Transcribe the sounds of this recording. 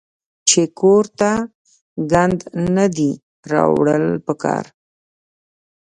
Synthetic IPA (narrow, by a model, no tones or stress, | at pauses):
t͡ʃekoɾt̪a | ɡand̪nad̪i | ɾɑ̰wɽəlpəkɑ̰ɾ